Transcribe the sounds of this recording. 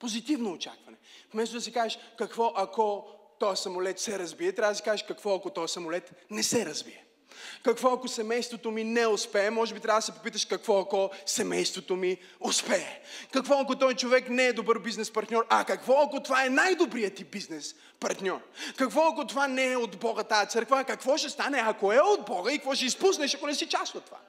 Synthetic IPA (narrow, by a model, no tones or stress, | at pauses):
pozit̪ivnoːt͡ʃa̰kvɐnɛfmɛst̪od̪ɐsikaʒɛʃkɐkvɔʔɐkɔt̪ɔjɐsɐmolɛt̪sɛɾɐzbiɛt̪ɾʲavəd̪si̥kaʒeʃkɐkvɔɐkot̪ɔjɛsɐmolɛt̪nɛsɛɾɐzbiɛ | kɐkvɔɐkosɛmɛjst̪vot̪ominɛʊspɛːmɔʒɛbit̪ɾʲavəd̪sɛpopit̪əʃkɐkvɔɐkɔsɛmɛjst̪vot̪omi | ʊspɛɛkɐkvɔɐkot̪ɔjt͡ʃovɛknɛːd̪obɤɾbiznɛspɐɾt̪nʲɔɾɐkɐkvɔɐkot̪ovaɛnajd̪obɾijət̪ibiznɛs | pɐɾt̪nʲɔrkɐkvɔɐkot̪ovanɛɛod̪bɔɡət̪ajɐt̪sɤɾkvəkɐkvɔʃɛst̪anɛɐkoɛod̪̚bɔɡəikəkvɔʃɛispusnɛʃɐkonɛsɛt͡ʃast̪ot̪ːova̰